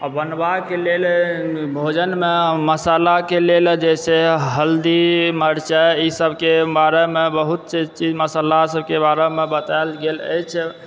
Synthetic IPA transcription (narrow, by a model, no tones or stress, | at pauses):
abənbakelelbʱod͡ʒənmeməsalakeleld͡ʒɛseɦəld̪iməɾt͡ʃɛisəbʱkebaɾemebəɦut̪t͡ʃet͡ʃid͡ʒməsəlasəbkebaɾemebət̪aelɡelə̰jt͡ʃʰɛ